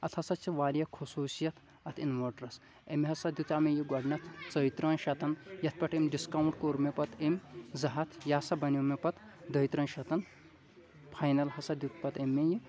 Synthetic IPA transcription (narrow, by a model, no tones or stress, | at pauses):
ɐt̪ʰɐsɐt͡ʃʰiʋaːɾjɐkʰosuːsjɐt̪ʰ | ɐt̪ʰinmoɖɾɐs | emeɦɐsɐd̪ʲjut̪aːmejiɡɐɖnɐt̪ʰt͡sɐjt̪ɾɐːnʃɐt̪ɐnjɐt̪̚ʰpɐʈʰemʲɖiskaːwɳʈkoːɾmepɐt̪ʰemʲzɐɦɐt̪ʰjaːsɐbɐnomepɐt̪d̪ɐjt̪ɾɐːnʃɐt̪ɐn | pʰaːjnɐlhɐsɐd̪ʲjut̪ʰpɐt̪emʲːeji